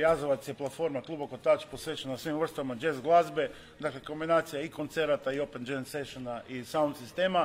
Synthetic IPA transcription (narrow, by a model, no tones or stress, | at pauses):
jazoʋat̪sjeplˠat̪fo̞ɾmaklˠubokot̪at͡ʃpo̞sʋet͡ʃenasʋimʋr̩st̪ʋaimad͡ʒezɡlˠazbe̞ | d̪akleko̞mbinaːt̪sijaiko̞nt̪seɾat̪aio̞pend͡ʒenseʃonaʔisaund̪sist̪e̞ːma